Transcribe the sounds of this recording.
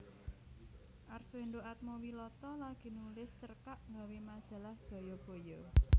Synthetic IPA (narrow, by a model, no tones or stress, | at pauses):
ʔarsuenɖoʔat̪̚mowilɔt̪ɔlaɡ̥i̤nulɪst͡ʃərkaʔŋɡawimad̥ʒ̥ä̤lahd̥ʒ̥ɔ̤jɔb̥o̤jɔ